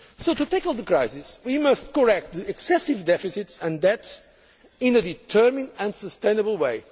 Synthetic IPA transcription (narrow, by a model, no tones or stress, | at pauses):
soʊtut̪eɪklˠðəkɹaɪsɪswimʌst̚kə˞ɛk̚t̪̚ðiɛksɛsɪvdɛfisɪtsɨ̃ndɛts | ɪ̃nɨditʰɜ˞mɪ̃ndɨ̃nsəstẽɪ̃nəbəl̩ˠweɪ